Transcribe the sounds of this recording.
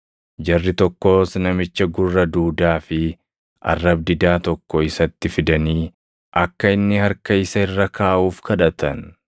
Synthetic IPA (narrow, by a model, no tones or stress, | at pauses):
d͡ʒɐrːɪt̪ɔkːo̞ːsnɐmɪt͡ʃːɐɡʊrːɐd̪uːd̪aːfɪ | ʔɐ̰rːɐbd̪ɪd̪aːt̪ɔkːɔɪsɐt̪ːɪfɪd̪ɐniː | ʔɐkːɐɪnːɪhɐɾkɐɪsɐɪrːɐkʰaːʔuːfkʰɐᶑɐt̪ɐn